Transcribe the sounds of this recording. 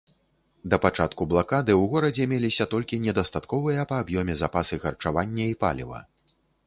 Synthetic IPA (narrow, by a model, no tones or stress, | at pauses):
d̪ɐpat͡ʂat̪kublˠakad̪ɨwɣɔɾɐd͡zʲɛmʲelʲisʲɐt̪ɔlʲkʲinʲɛd̪ɐst̪at̪kɔvɨjɐpɐːbjɔmʲɛzapasɨxɐrt͡ʂavanʲːɐipa̰lʲḭvɐ̰